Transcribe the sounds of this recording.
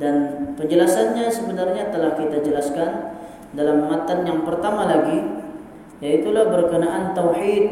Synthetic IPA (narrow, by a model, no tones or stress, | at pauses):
danpəɲd͡ʒəlasanɲasəbənarɲat̪əlahkit̪ad͡ʒəlaskan | dalamːat̪anjaŋpərt̪amalaɡi | jait̪ulahbərkənaʔant̪awħit̪̚